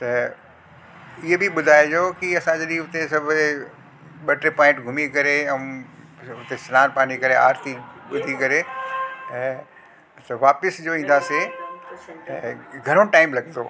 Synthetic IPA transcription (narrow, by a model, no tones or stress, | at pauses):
t̪ɐ | ɪɦebɪɓʊd̪ʱaːed͡ʑoːkiɐsãd͡ʑɐɗĩʊt̪esɐbʱʊ | ɓɐʈɾepãːɪ̃ʈɡʱʊmikɐɾeɛ̃ | ʊt̪esɪlaːɾpaːnikɐɾea̰ːɾt̪ʰiɓʊd̪ʱikɐɾe | ɛ̃ː | t̪ɐʋaːpɪsd͡ʑoːĩːn̆d̪aːse | ɛ̰̃ɡʱɐɾõʈaːɪmlɐɡnd̪o̰ː